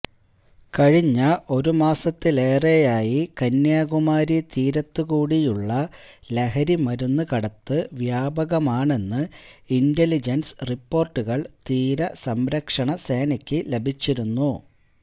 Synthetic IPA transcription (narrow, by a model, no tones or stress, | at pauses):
kɐɻiɲːɐʔo̞ɾumaːsɐt̪ːile̞ːre̞jaːjikɐnjaːɣumaːɾit̪iːɾɐt̪ːukuːɽijuɭːɐle̞ɦɐɾimɐɾunːɨkɐɽɐt̪ːɨʋjaːbɐɣɐmaːɳe̞nːɨinde̞lid͡ʑɐnsripːo̞ːrʈːuɣɐɭt̪iːɾɐsɐmɾɐkʂɐɳɐse̞ːnɐkʲːɨle̞bʱit͡ɕːiɾunːu